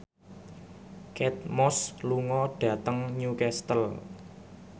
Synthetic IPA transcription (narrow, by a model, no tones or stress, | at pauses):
kɛt̪̚mɔsluŋɔɖ̥ä̤t̪əŋɲukɛst̪əl